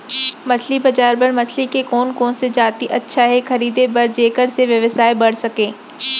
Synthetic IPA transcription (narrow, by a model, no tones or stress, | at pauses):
mɐslibɐd͡ʒaːɾpɐɾmɐslikekɔːnkõːnsed͡ʒaːt̪iʔɐtːʃʰaɦɛxɐɾiːd̪ebɐɾd͡ʒeːkəɾseʋjɐʋəsaːebɐɽ̤sɐkẽː